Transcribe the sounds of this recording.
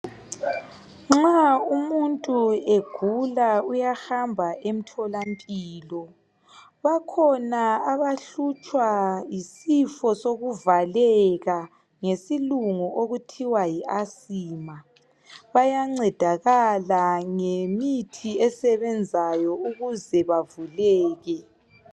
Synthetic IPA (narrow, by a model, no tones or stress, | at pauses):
ŋ͡ǁaumuntʼueɡ̥ʱulaujaxambʱaʔem̩tʰɔlampʼiːlɔ | βakʰɔnaaβaɬut͡ʃʼwajisifɔsoɣuvalɛɣa | ŋesiluŋɔʔoɣutʰiwajiʔasiːma | βajaŋ͡ǀɛd̥ʱaɣalaŋemitʰiɛsɛβɛnd͡zʱajɔuɣuzɛβavulɛːɣɛ